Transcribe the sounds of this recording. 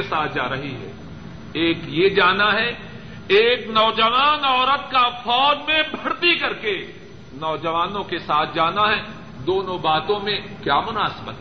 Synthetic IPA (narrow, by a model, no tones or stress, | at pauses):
saːt̪̚ʰd͡ʒaːɾɐɦiɦɛ̰ | eːkjed͡ʒaːnaɦɛ | eːknɔːd͡ʒəʋaːnɔːɾət̪̚kafɔːlmẽbʱɐɽt̪ikɐɾke | nɔːd͡ʒɐʋaːnõkesaːt̪̚ʰd͡ʒaːnaɦɛ | d̪oːnõbaːt̪õmẽkjaːmʊnaːsəbə̰t̪